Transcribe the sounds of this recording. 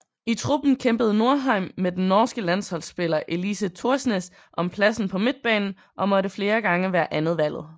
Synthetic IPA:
it͡sʰʁub̥n̩kʰemb̥əð̞̩ˠno̝ɐɦɑ̈ɪ̰mːed̥enːɒːsɡ̥əlæn̰shɒ̽lsb̥e̝lɐʔe̝lisət͡sʰuɐsnes | ʔɒ̽mpʰlæsn̩pʰɒ̽me̝d̥̚b̥ɛ̰ːnn̩ | ʔɒ̽mɒ̽ɾəfle̝ːɐɡ̥ɑ̈ŋəʋæːɐʔænð̞̩ˠʋæl̰ð̩ˠ

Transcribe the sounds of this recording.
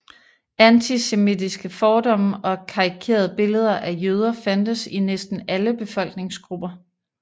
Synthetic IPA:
ænt͡sʰisemid̥isɡ̥əfɒːd̥ɒ̽m̰ɒ̽kʰɑ̈ikʰe̝̰ːɐð̞ˠəb̥e̝ləð̞ˠɐʔæjøːð̞ˠɐfænd̥əsinesd̥n̩æləb̥e̝fɒ̽l̰ɡ̥ne̝ŋsɡ̥ʁub̥ɐ

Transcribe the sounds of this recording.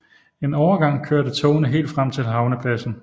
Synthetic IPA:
e̝nɒʊɐɡ̥ɑ̈ŋ̰kʰøɐɾət͡sʰɔːnəɦe̝̰ːld̥fʁam̰t͡sʰe̝lɦɑ̈ʊnəpʰlæsn̩

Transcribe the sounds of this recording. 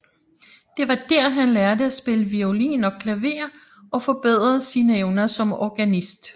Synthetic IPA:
d̥e̝ʋɑ̈d̥æɐ̰ɦænlæɐd̥əæsb̥e̝ləʋiolḭːnɒ̽kʰlæʋe̝̰ːɐ | ɒ̽fɒ̽b̥e̝ð̞̰ˠʁɐsinəeʊnɐsɒ̽mɒɡ̥ænisd̥

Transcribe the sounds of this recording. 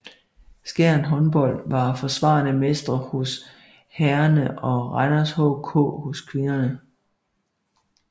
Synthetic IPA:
sɡ̥æɐ̰nɦɒ̽nb̥ɒ̽l̰ʋɑ̈fɒ̽sʋɑ̰̈ːnəmesd̥ʁɐhos | hæɐnəʔɒ̽ʁɑɪnɐshɔʊkʰɔ̰ːhoskʰʋe̝nɐnə

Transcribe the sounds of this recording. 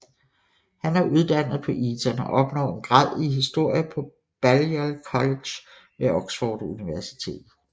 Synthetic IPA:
hænæɐʔuð̞ˠd̥æn̰ð̩ˠpʰɒ̽ʔisɐnɒ̽ʔɒ̽b̥nɒ̰̽ːe̝nɡ̥ʁɑð̰ˠiɦisd̥o̝ɐ̰jəpʰɒ̽ | b̥æljælkʰɒ̽le̥ɕ | ʋeɒɡ̥sfɒːd̥uniʋæɐsi̥t͡sʰe̝̰ːd̥̩

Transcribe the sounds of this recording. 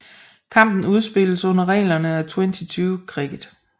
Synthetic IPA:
kʰɑ̈m̰b̥n̩uð̞ˠsb̥e̝l̰əsɔ̽n̰ɐʁɛ̰ːlɐnəæt͡sʰwent͡sʰit͡sʰyːʊkʰʁḭːð̩ˠ

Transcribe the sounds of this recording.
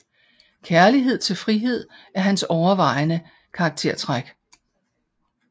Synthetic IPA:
kʰæɐliɦe̝ð̞̰ˠt͡sʰe̝lfʁiɦe̝ð̞̰ˠæɐɦænsɒʊɐʋɑ̈ɪnə | kʰɑ̈ːɡ̥̚t͡sʰe̝ɐ̰t͡sʰʁaɡ̥

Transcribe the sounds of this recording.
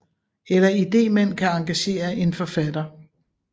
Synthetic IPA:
elɐid̥e̝̰ːmen̰kʰæɑ̈ŋɡ̥æɕe̝̰ːɐʔe̝nfɒ̽fæd̥ɐ

